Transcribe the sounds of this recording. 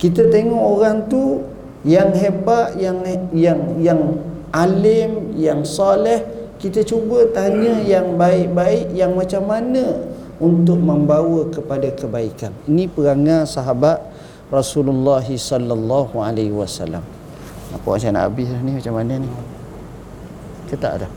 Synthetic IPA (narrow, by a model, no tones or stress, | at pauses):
kit̪ət̪eŋɔʔoɾaŋt̪u | jaŋɦebaʔ̪jaŋjaŋjaŋ | ʔalɪmjaŋsalɛhkit̪ət͡ʃubət̪aɲəjaŋbaɪʔ̚baɪʔjaŋmat͡ʃamːanə | unt̪ʊk̚məmbawəkəpadakəbaikaninipəɡaŋasaɦabat̪̚ | rɔsululːaɦisɔlːalːahualehiwasa̰lːa̰m | na̰pa̰ʔa̰nt͡ʃana̰ʔa̰bɪslahnimat͡ʃamːanəni | kət̪a̰ʔdah